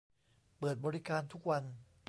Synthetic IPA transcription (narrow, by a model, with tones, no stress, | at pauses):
pɤː˨˩t̪̚bɔː˧ɾi˦˥kaː˧nt̪ʰu˦˥k̚wa˧n